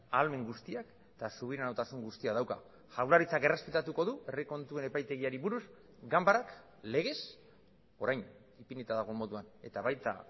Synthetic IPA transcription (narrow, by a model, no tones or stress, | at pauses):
alme̞ŋɡust̪iak | t̪asuβiɾanawt̪asuŋɡust̪iaðawka̰ | ʝawlaɾit͡sake̞re̞spe̞t̪at̪uko̞ðue̞riko̞nt̪ue̞ne̞pajt̪e̞ɣ̞iaɾiβuɾus | ɡambaɾak | le̞ɣ̞e̞s | o̞ɾajn | ipinet̪aðaɣ̞o̞mo̞ðuane̞t̪aβajt̪a̰